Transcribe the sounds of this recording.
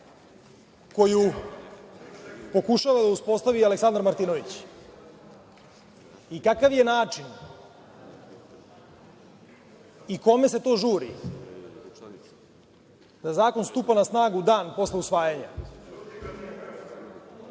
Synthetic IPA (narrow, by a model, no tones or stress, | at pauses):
ko̞ju | po̞kuʃaʋad̪auspo̞st̪aʋialeksand̪ɾmaɾt̪ino̞ʋit͡ɕ | ikakaʋje̞naːt͡ʂin | iko̞me̞se̞t̪o̞ːʒuːɾḭ | d̪azaːko̞nst̪upanasnaːɡud̪aːnpo̞sleusʋaːjaɲa